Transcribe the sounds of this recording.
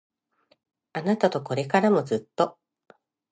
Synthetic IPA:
anat̪at̪o̞ko̞ɾe̞kaɾamo̞zɨt̪ːo̞

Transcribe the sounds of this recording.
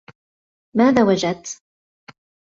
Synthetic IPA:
maːðaːwad͡ʒad̪̚t̪

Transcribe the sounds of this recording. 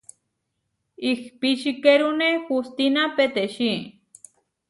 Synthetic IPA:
ixpiʃikeɾunexust̪inapet̪eʃi

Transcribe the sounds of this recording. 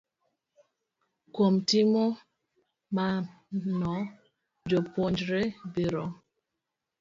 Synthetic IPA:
komtimo | ma | nɔ | d͡ʒopond͡ʒɾebiɾɔ

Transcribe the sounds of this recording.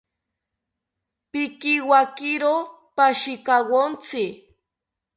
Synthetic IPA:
pɪkiwakɪɾo | paʃɪkawont͡sɪ

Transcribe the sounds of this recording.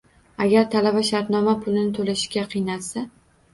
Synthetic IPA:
aɡʲaɾt̪ʰalabaʃaɾt̪nɒmapʰʊlɪnɪt̪ʰolaʃɪʃɡʲaqʰɨjnasa

